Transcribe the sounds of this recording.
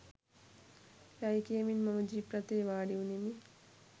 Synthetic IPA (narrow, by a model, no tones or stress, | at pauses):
jajikiɐminmɐmɐd͡ʒipɾɐt̪eːʋaːɽiunemi